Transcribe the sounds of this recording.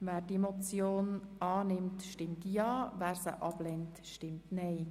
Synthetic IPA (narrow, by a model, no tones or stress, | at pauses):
ʋæːɾdiemot͡sjoːnɑːnɪmtʃtɪmtjɑːʋæːɾsə̰ʔɑb̥lɛntʃtɪmtnɛɪ